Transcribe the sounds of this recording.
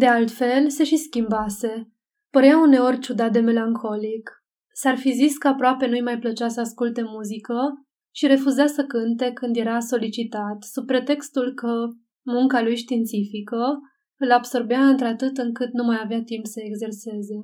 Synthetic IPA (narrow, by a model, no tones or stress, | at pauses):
d̪e̞alt̪fe̞lse̞ʃiskʲimbase̞ | pəɾeaune̞o̞rʲt͡ʃud̪at̪̚d̪e̞me̞laŋkʰo̞lik | sarfiziskəapɾoape̞nujmajplət͡ʃasəaskult̪e̞muzikə | ʃiɾe̞fuzasəkɨnt̪e̞kɨnd̪je̞ɾaso̞lit͡ʃit̪at̪sub̚pːɾe̞t̪e̞kst̪ulkə | muŋkalujʃt̪iːnt̪sifikə | ɨlabso̞rbeaɨnt̪ɾeat̪ɨt̪ɨŋkɨt̪numajaveat̪impsəe̞ɡze̞rse̞ze̞